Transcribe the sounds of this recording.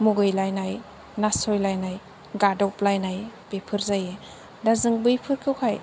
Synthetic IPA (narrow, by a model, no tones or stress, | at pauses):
muɡɯjlajnaj | nasɔjlajnaj | ɡadɔplajnajb̥epʰɯɾzaje | dazɯŋbɯjpʰɯɾkʰɯwkʰaj